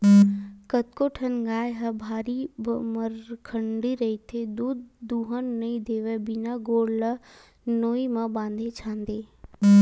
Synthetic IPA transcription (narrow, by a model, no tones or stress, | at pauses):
kət̪̚koʈʰənɡaːjɦɐbʱaːɾibməɾkʰə̃ɳɖiɾɐit̪ʰed̪uːd̪̚ːuːɦənːɐĩd̪eːʋəbɪnaɡoːɽlə | noːimãbãːnd̪ʱet͡ʃʰãːnd̪eː